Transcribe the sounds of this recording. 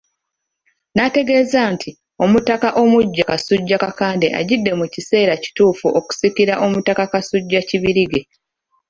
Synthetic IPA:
nate̞ɡe̞ːzaːntʰi | o̞mutakaʔo̞muɟːakasuɟːakakaːnde̞ʔa̰ɟidːe̞mucise̞ːɾaci̥tuːfuʔo̞ku̥sikiɾaʔo̞mutakakasuɟːaciβiɾiɡe̞

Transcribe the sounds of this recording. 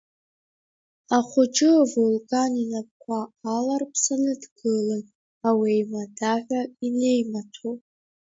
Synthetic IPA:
aχʷʊt͡ʃʼɨvulkʼaninap̚ʼkʷʰaːlarpʰsanɨdɡɨlɨn | awijmadaʕʷaine̞jmatʰo

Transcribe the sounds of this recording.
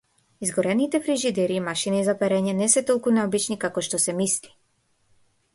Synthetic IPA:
izɡɔɾɛnit̪ɛfɾiʒid̪ɛɾiːmaʃinizapɛɾɛɲɛnɛsɛt̪ɔlˠkunɛɔbit͡ʃnikakɔʃt̪ɔsɛmisli̥

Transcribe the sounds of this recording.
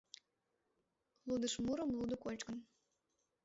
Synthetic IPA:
lud̪əʃmuɾəmlud̪əkolʲt͡ɕkən

